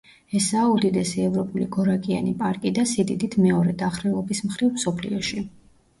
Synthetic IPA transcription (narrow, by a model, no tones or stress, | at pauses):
ɛsaːud̪id̪ɛsiɛvɾɔpʼuliɡɔɾakʼia̰nipʼaɾkʼid̪asid̪id̪it̪ʰmɛɔɾɛd̪aχɾɛlˠɔbismχɾivmsɔpʰlḭɔʃi